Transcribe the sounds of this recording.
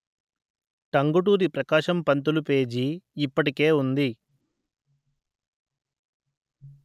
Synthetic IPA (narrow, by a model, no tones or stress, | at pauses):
ʈɐŋɡuʈuːɾipɾɐkaːʃɐmpɐnt̪ulupe̞ːd͡ʒiːpːɐʈike̞ːund̪i